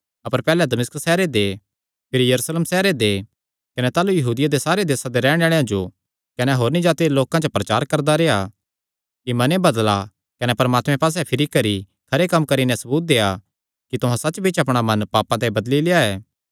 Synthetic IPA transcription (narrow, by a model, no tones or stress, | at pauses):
ɐpəɾpɛːlɛd̪ɐmɪskəsɛːɾed̪e | pʰɪɾijɐɾuːsleːmsɛːɾed̪e | kɐnɛt̪aːlujɐɦuːd̪ɪjad̪esaːɾed̪eːsad̪eɾɛ̃ːɽ̃aːɭejãd͡ʒo | kɐnɛɦoːɾnĩd͡ʒaːt̪iloːkãd͡ʒopɾɐt͡ʃaːɾkɐɾd̪aɾeːa | kimɐnẽbɐd̪la | kɐnɛpɐɾmaːt̪mɛ̃paːs̬ɛpʰɪɾikɐɾi | kʰɐɾekɐmːkɐɾinɛsɐbuːt̪̚d̪eːa | kit̪ʊɦãsɐt͡ʃbit͡ʃɐpɽ̃amɐnpaːpãt̪eibɐd̪lileːaɛː